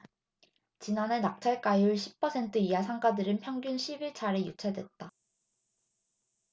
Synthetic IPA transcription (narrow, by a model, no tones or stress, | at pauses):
t͡ɕinanɦe̞nak̚t͡ɕʰaɭk͈ajuɭɕʰi̥pʰːʌsʰe̞ntʰɯijasʰaŋɡadɯɾɯnpʰjʌŋɡjunɕʰibiɭt͡ɕʰaɾejut͡ɕʰedwe̞t̚t͈a